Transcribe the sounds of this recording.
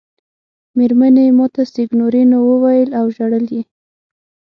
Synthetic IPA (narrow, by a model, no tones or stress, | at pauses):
meɾmanemɑt̪asɪɡnoɾinowəwajəlawʒaɽəlje